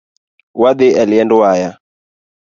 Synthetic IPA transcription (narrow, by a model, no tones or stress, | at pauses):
wad̪ɛaliɛndɔwaja